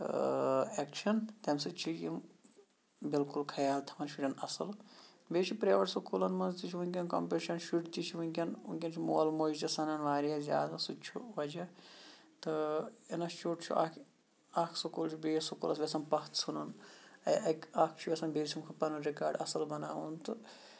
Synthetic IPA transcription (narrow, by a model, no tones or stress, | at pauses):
eːkʃʰɐnt̪ɐmsɨt͡ʃʰijim | bilkulkʰɐjaːlt̪ʰɐmɐnʃuɾʲɐnɐsɐl | beːt͡ʃʰipɾeːʋɐʈsɐkʰulɐnmɐnzt̪it͡ʃʰiʋunʲkʲɐnkɐmpeʃɐnʃuʈt̪it͡ʃʰiʋunʲkʲɐnunʲkʲɐnt͡ʃʰimoːlmoːd͡ʒd͡ʒɐsɐnɐnʋaːɾiɐzʲa̰ːd̪ɐsut͡ʃʰuʋɐd͡ʒɐ | t̪ɨenɐʃuʈt͡ʃʰṵʔɐ̰kʰ | akʰsɐkuːlt͡ʃʰubeːsukulɐ̰sʋʲesɐnpɐt̪sunɐnɐjɐkakʰt͡ʃʰuʋʲesɐnbeːɾt͡ʃʰimkʰɐpɐnɐɾikaːɾɖɐ̰sɐlbɐnaːʋunt̪ɨ